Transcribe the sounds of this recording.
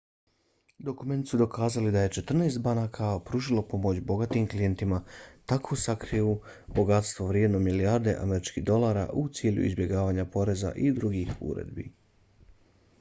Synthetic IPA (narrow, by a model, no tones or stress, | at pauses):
d̪o̞kume̞nt̪sud̪o̞kaːzalid̪aje̞t͡ʃe̞t̪r̩naːst̪̚banakʰapɾuʒilo̞po̞mo̞t͡ɕbo̞ɡat̪imklije̞nt̪imat̪akʰosakɾiu | bo̞ɡat̪st̪ʋoʋɾje̞d̪no̞miliaɾd̪e̞̰ʔa̰meɾit͡ʃkiɣd̪o̞lˠaɾa̰ʔut̪siːʎṵḭzbje̞ɡaːʋaːɲapo̞ɾe̞za̰ʔid̪ɾuɡixṵɾḛd̪bḭ